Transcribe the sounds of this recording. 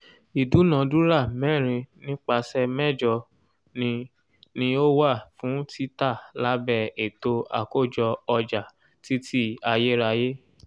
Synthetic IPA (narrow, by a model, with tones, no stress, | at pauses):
i˨du˨˦nã˨dũ˨˦ɾa˦˨mɛ˦˨ɾ̃ĩ˧nĩ˦k͡pa˧sɛ˧mɛ̃˦˨d͡ʒɔ˧ | nĩ˧ | nĩ˧˦o˦wa˦˨fũ˨˦tʰi˦ta˦˨la˨˦bɛ˦˨e˨to˧a̰˨ko˦˨d͡ʒɔ˧ɔ˧d͡ʒa˨ | ti˦tʰi˦a˧je˦ɾa˧je˦